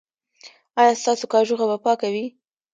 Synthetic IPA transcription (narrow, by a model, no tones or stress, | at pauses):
ɑjɑst̪ɑsokɑʒuxabapɑkawi